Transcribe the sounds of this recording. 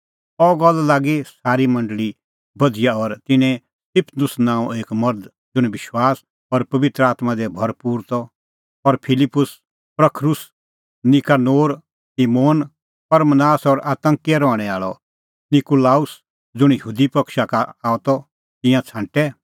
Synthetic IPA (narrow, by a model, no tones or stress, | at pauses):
ɔɡɔlːlaːɡisaːɾimɐ̃ɳɖɭi | bɐd͡zɪjaɔɾt̪ɪnɛ̃ | t̪ɪpʰnʊsnãːũeːkmɐɾd̪ | d͡zʊɽ̃bɪʃwaːs | ɔɾpɐʋɪt̪ɾəaːt̪mãd̪ɛbʱɐɾpuːɾt̪ɔ | ɔɾpʰɪlɪpːʊs | pɾɐkʰɾʊs | nɪkanoːɾ | simoːn | pɐɾmənaːsɔɾaːt̪ə̃ŋkɛɾɔːɽ̃ɛaːɭɔ̰ | nɪkulaːʊs | d͡zʊɽ̃jəɦuːd̪ipɐkʃakaaːɔt̪ɔ | t̪ɪ̃jãt͡sʰãːɳʈɛ